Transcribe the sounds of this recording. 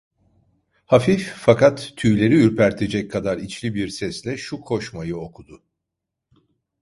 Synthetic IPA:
hafiffakʰat̪ʰːyjlʲe̞ɾiyɾpæɾt̪ʰe̞d͡ʒɛc̚kʰːad̪aɾit͡ʃlʲibiɾsɛslʲɛʃukʰo̞ʃmajɯo̞kʰud̪ʊ

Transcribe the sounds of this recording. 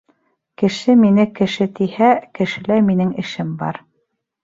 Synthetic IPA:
kɘ̆ʃɘminɘkɘ̆ʃɘt̪ihækɘ̆ʃɘ̆læɾminɘŋɘ̆ʃɘmbɑ̰ɾ

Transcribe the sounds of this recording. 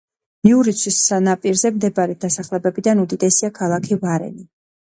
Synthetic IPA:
miuɾit̪sʰisanapʼiɾzɛmd̪ɛbaɾɛd̪asaχlɛbɛbid̪anud̪id̪ɛsiakʰalˠakʰivaɾɛ̰ni

